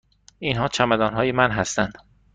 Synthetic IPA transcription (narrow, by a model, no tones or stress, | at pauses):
inɦɒːt͡ʃʰæmæd̪ɒːnɦɒːjemænɦæst̪ænd̪